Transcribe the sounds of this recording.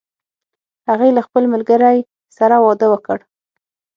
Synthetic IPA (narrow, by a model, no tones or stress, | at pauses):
haɣejlaxpəlmalɡəɾaj | saɾawɑd̪əwəkəɽ